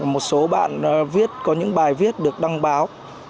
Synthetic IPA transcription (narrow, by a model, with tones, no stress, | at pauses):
mo˨˩t̚so˨˦ɓa̰ː˧˨n˨vi˦˥ət̚kɔ˨˦ɲɨ̰˧˥ŋɓaː˨˩jvi˦˥ət̚ɗɨ˨˩ək̚ɗa˧ŋɓaː˨˦w